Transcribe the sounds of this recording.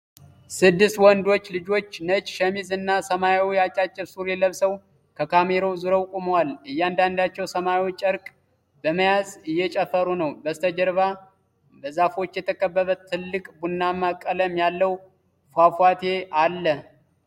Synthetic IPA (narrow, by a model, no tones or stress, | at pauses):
sɨd̪ːɨst̪wɔnd̪o̞t͡ʃːlɨd͡ʒo̞t͡ʃːnət͡ʃʃəmizɨnːasəmajawijat͡ʃʼːat͡ʃʼːɪβsuɾjɛləβsəw | kʰəkʰame̞ɾowzuɾowkʼumwalɨjːand̪and̪at͡ʃːɛwsəmawt͡ʃːʼəɾkʼ | bəməjazɨjːɛt͡ʃʼɛfəɾunəwbəst̪ʰəd͡ʒəɾβa | bəzafo̞t͡ʃːjɛt̪ʰəkʰʼəbːəβət̪ʰːɨlːɨkʼbunːamakʼːələmjalːəw | fafwat̪ʰe̞ʔalːə